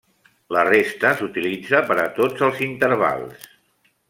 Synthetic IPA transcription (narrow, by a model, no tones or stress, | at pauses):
lərest̪əsut̪ilid͡zəpəɾət̪od͡zəlˠzint̪əɾβa̰lˠs